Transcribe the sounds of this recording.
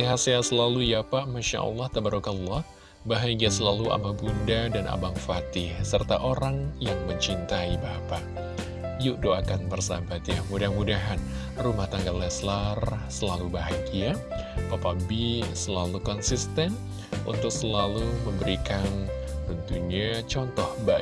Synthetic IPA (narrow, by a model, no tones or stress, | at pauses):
t̪iɦaseasəlalujapaʔmaʃa̰ʔɑ̰lˠːɑht̪abaɾokanlːɑh | baɦaɡiasəlalua̰mabundadanʔa̰baŋfat̪ɪhsərt̪aʔoɾaŋjaŋməɲt͡ʃint̪aibapaʔ | juʔdoakanbərsabat̪jamudahmudaɦan | rumaht̪aŋɡallaslarsəlalubaɦaɡiapapabisəlalukɔnsist̪ɛn | ṵnt̪ʊk̚səlaluməmbəɾikanrunt̪uɲat͡ʃɔnt̪ɔhba